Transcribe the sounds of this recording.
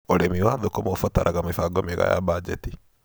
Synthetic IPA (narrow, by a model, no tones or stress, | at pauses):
oɾemiwaːðokomofɔtaɾʔaɣamefaɡɔmeɣa̰ja̰bad͡ʒɛ̰ti